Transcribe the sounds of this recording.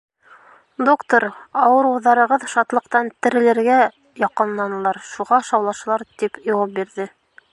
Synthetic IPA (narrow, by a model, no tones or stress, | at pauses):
d̪okt̪oɾɑwɤ̆ɾuwðɑɾɤ̆ʁɤðʃɑt̪lˠɤ̆qt̪ɑnt̪ɘ̆ɾɘ̆lɘ̆ɾɡæ | jɑqɤ̆nlˠɑnɤ̆lˠɑɾʃuʁɑʃɑwlˠɑʃɤ̆lˠɑɾt̪ipjowɑp̚biɾðɘ